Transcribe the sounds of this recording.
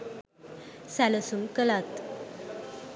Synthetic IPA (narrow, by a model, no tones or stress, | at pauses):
sæləsumkəlat̪